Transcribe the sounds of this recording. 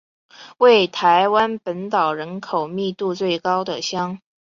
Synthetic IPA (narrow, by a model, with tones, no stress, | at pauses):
we˥˩ɪt̪ʰa˧˥ɪwa˥npə˧˥nt̪ɑ˨˩ʊɻə˧˥nkʰo˨˩ʊmi˥˧t̪u˥˧t͡swe˥˩ɪkɑ˥ʊd̪ə˨ɕjɑ˥ŋ